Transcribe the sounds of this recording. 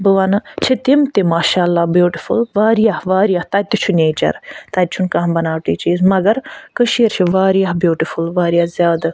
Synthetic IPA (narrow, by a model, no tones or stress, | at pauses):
bəʋɐnɐt͡ʃʰit̪imt̪imaːʃaːlːaːbjuːʈifṵlʋaːɾijahʋaːɾijaht̪ɐt̪ːit͡ʃʰuneːt͡ʃɐ̰ɾt̪ɐt̪̚t͡ʃʰunkaɦmbɐnaːʈiːt͡ʃiːzmɐɡɐɾkəʃiɐɾt͡ʃʰiʋaːɾijaɦbjuːʈifulʋaːɾjaːzjaːd̪